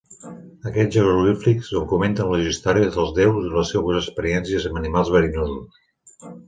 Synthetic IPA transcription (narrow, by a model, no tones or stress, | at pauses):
əkɛʒəozuliflikzd̪uŋkument̪ənləʒʒist̪aɾiəzəlˠzðɛwzələsɛβəzəkspəɾiɛnsijəzəmənimalˠzβəɾinozus